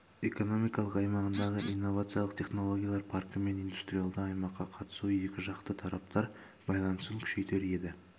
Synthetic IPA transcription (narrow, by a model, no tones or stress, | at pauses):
e̞ko̞no̞mijkɑlˠəqɑjmɑʁənd̪ɑʁəʔinːo̞vat̪sɨjalˠəqt̪ʰʲe̞χno̞lˠo̞ɡʲijalˠɑɾpʰɑrkəme̞nijnd̪u̥st̪ɾijalˠd̪əɑjmɑqːɑqʰɑt̪ə̥sue̞kʲɪʒɑqt̪ət̪ʰɑɾɑp̚t̪ʰɑɾ | bɑjlˠɑnəsəŋkʲʰʏ̥ʃe̞jt̪e̞ɾe̞d̪ɪ